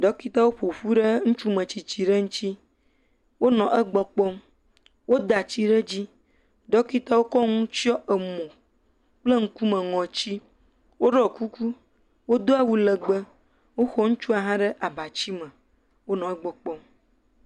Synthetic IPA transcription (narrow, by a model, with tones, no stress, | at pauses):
ɖɔ˦ki˦t̪a˦wo˦ɸo˨ɸu˦ɖe˦ŋũ˦t͡ʃu˦mə̃˨t͡ɕi˨t͡ɕi˨ɖe˦ŋũ˦t̪i˦ | wo˦nɔ̃˨ʔɛ˦ɡ͡bɔ˨k͡pɔ˦m | wo˦d̪a˨t͡ɕi˦ɖe˦d͡ʑi˦ | ɖɔ˦ki˦t̪a˦wo˦kɔ˦ŋũ˦t͡ʃi˦ɔ˦ʔə˨mɔ̃˨ | k͡plə˦ŋ̩˦ku˦mɛ̃˨ŋɔ̃˨t͡ɕi˦ | wo˦ɖɔ˨ku˦ku˦ | wo˦d̪o˦a˨wu˦lə˨ɡ͡bə˦ | wo˦xɔ˦ŋũ˦t͡ʃu˦a˨ɦã˦ɖe˦ʔa˨ba˨t͡ɕi˦mə̃˨ | wo˦nɔ̃˨ɛ˦ɡ͡bɔ˨k͡pɔ˦m